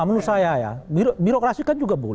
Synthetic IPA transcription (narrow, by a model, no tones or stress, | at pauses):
amanusajaja̰biɾbiɾokɾasikand͡ʒuɡabolɛ